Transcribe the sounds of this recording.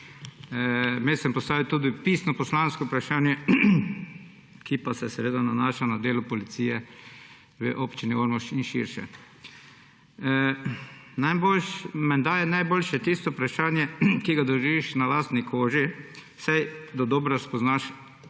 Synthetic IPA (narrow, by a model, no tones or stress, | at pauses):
mesɛmpɔst̪aːʋit̪uːd̪ipiːsnɔpɔslanskopɾaʃaːnjɛ | kipasɛsɛʋeːd̪ananaːʃanad̪eːlʊpɔlit̪siːjɛ | ʋə̰ʔoːpt͡ʃinioɾmɔʃt͡ʃinʃḭɾʃɛ̰ | najbolʃmɛnd̪aːjɛnajboːlʃɛt̪ist̪ɔpɾaʃaːnjɛkiɡad̪ɔʒiiʃnalaːst̪nikʰoːʒi | sajd̪ɔd̪ɔbɾaspɔznaʃ